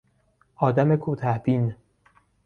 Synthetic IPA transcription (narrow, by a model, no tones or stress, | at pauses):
ʔɒːd̪æmekʰuːt̪ʰæhb̥in